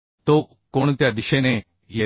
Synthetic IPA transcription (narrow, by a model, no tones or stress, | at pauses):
t̪oː | kʊɳ̃t̪jad̪ɪʃene | je